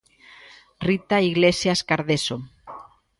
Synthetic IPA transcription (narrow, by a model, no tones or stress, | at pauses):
rit̪aiɣlesjaskaɾðeso